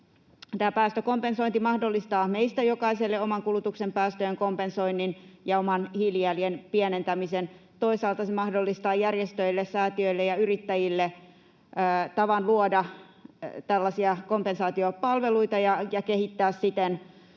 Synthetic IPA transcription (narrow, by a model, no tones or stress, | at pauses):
t̪æːpæːst̪økompensoint̪imɑhdolːist̪ɑːmeist̪æjokɑiselːeomɑŋkulut̪uksempæːst̪øjeŋkompensoinːinjɑomɑnhiljælienpiænent̪æmisen | t̪oisɑːlt̪ɑsemɑhdolːist̪ɑːjærjest̪øilːessæːt̪iøilːejɑyrit̪ːæjilːeː | t̪ɑʋɑnluodɑ | t̪ælːɑsiɑkompensɑːt̪iopɑlʋeluit̪ɑjɑjɑkehit̪ːæːssit̪en